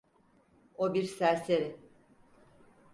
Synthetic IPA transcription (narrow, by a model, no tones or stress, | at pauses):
obiɾsæɾseɾi